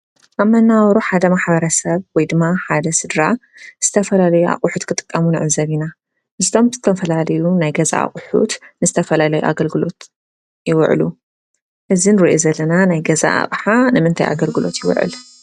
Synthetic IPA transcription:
ʔaβmɐnːawɾuħad̪ɐmaħbɐɾɐsɐβwɔjd̪ɨmːaħad̪ɐsɨd̪ɾaz̥ɨt̪ʰɐfɐlalɐjua̰χʼuħut̪kʰɨt̪ʼɨ̥kʼːɐmunɨ̰ʕɨzɐβina | ʔɨzt̪ʰo̞mzɨt̪ʰɐfɐlalɐjunajɡɐza̰a̰χʼʊħṵt̪nɨzɨt̪ʰɐfɐlalɐjuʔa̰ɡɐlɡɨlo̞t̪ | jɪw̰ʕ̰lu | ʔɨzinɨɾɨʔozɐlːɐnanajɡɐza̰a̰βʼħanɨmɨnt̪ʰa̰jʔa̰ɡɐlɡɨlo̞̰t̪jɪw̰ʕɨ̰l

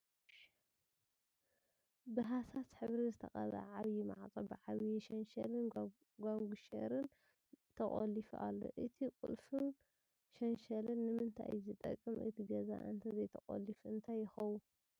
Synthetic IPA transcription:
bɨɦasasħɨβɾizɨt̪ʰɐxʼɐ̰la̰ʕaβjima̰ʕt͡sʼo̰bɨʕaβjiʃɐnʃɐ̰lɨn | ɡʷaŋɡuʃɐ̰ɾɨn | t̪ʰɐχʼo̰lifʔa̰lːo̞̰ʔɨt̪ʰikʼṵlfɨn | ʃɐnʃɐlɨnːɨmɨnt̪ʰa̰jzɨt̪ʼɐ̰kʼːɨmʔɨ̰t̪ʰiɡɐza̰ʔɨ̰nt̪ʰɐzɐjt̪ʰɐxʼo̰lifʔɨnt̪ʰajːɪxɐwu

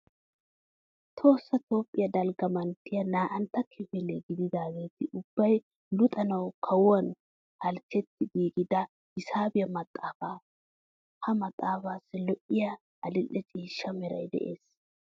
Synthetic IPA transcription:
t̪ʰo̞ːsːɐt̪o̞ːpʼːɪjɐd̪ɐlɡɐmɐnt̪ːɪjɐnaːʔɐnt̪ːɐkʰːɪfɪleɡɪd̪ɪd̪aːɡeːt̪ɪʔʊb̥ːɐj | lʊt̪ʼɐnɐwkʰɐwʊɐn | hɐlt͡ʃːɛt̪ːɪɡiːkʼɪd̪ɐ | hɪsaːbɪjɐmɐt̪ʼːaːfaː | hɐmɐt̪ʼːaːfaːsːɪlɔʔɪjɐ | ɐlɪlːɛt͡ʃʼiːʃːɐmɛɾɐ̰jd̪ɛ̰ʔe̞̰ːs

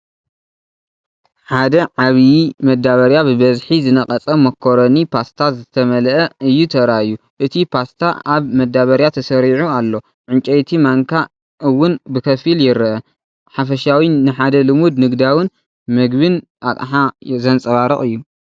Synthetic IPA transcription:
ħad̪ɐʕaβjimɐd̪aβɐɾjabɨbɐzħizɨnɐkʼɐt͡sʼɐmːɐkʰːoɾɐnipʰast̪ʰazɨt̪ʰɐmɐlʔɐɨjːut̪ʰɐɾaju | ʔɨt̪ʰipʰast̪ʰaaβmɐd̪aβɐɾjat̪ʰɐsɐɾiʕualːo̞ | ʕɨnt͡ʃʼɐjt̪ʰimaŋkʰa | ʔɨwːʊnbɨkʰɐfiljɪɾɐʔɐ | ħafɐʃawinɨħad̪ɐlɨmud̪nɨɡd̪awɨn | mɨɡbɨn | at̪ʼħazɐnt͡sʼɐβaɾɨχʼɨjːu

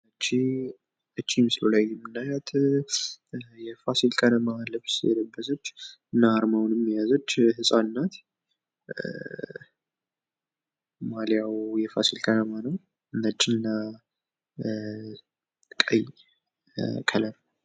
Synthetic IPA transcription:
ət͡ʃːi | ʔət͡ʃːimsɨlolajːɛmːɨnːajat̪ʰ | jɛfasilkʼənəmaːlːəfsɛ̰d̪əbːəsət͡ʃː | ɨnːaːɾmawnmːijazot͡ʃːhɨsʼanːat̪ | maljawjɛfa̰silkʼənəmanəw | ɨnət͡ʃʼːɪnːa | kʼə̰ɲ | kʼʰələɾ

